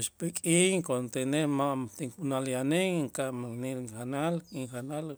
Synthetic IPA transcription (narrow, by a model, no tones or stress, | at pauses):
ʃpekʼiŋkont̪enehmaʔmt̪iŋkunaljaneŋŋkamanilxanalkiŋxanal